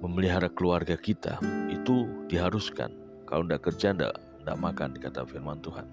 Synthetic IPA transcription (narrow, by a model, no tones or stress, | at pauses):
məməliɦaɾakəluarɡakit̪a̰it̪udiɦaɾuska̰n | ka̰loəndaʔkərd͡ʒanda̰ʔ | nda̰ʔmaka̰ndikat̪a̰firmant̪uɦa̰n